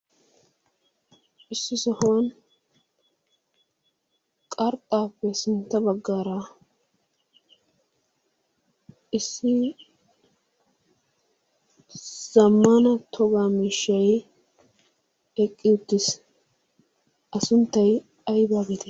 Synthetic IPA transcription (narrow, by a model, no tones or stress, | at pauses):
ɪsːɪsɔhʊwɐn | kʼɐɾt̪ʼːaːpːɛsɪnt̪ːɐbɐɡːaːɾa | ɪsːɪ | z̥ɐmːanɐt̪ʰɔɡaːmiːʃːɐj | ɛkʼːɪʊt̪ːɪs | ɐsʊnt̪ːɐj | ɐjbaːɡɪt̪ɛ